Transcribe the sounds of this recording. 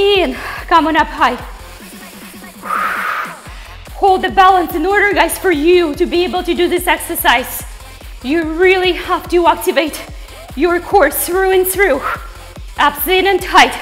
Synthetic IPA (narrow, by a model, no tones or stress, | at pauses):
ɪ̃nkʰʌ̃mə̃nʌphaɪ | hoʊlˠd̪̚ðɨbælˠə̃nsɨ̃nɔɹɾə˞ɡaɪz̥fə˞jɨɾɨbieɪbl̩ˠtɨdɨðɪsɛksə˞saɪz̥ | jɨɹɪlˠihæftɨæk̚tɨveɪt | jə˞kʰɔɹsɹʉɨ̃nθɹʉ | ʔʌpsɪ̃nɨ̃ntʰaɪt